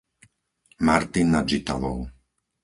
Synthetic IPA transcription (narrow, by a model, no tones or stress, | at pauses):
maɾt̪inːad͡ʒit̪a̰ʋɔ̰ʊ